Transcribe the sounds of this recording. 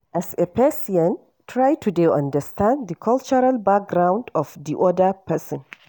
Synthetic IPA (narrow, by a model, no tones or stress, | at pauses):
ʔasepɛsiɔ̃n | tʰɹajtʰudeʔãndəstãnd̪ikʰɔlt͡ʃɔɾalbak̚ɡɾãw̃ndɔfd̪iʔɔdəpʰɛsɔ̃n